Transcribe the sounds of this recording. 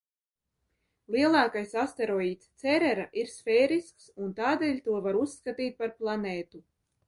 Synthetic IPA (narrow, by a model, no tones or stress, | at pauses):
lˠiɛlˠɑːkajsast̪eɾɔiːt̪st̪sɛɾɛɾaʔiɾsfʲeːɾisksunt̪aːd̪eːlʲt̪uɔvaɾusːkat̪iːt̪̚paɾplˠaneːt̪u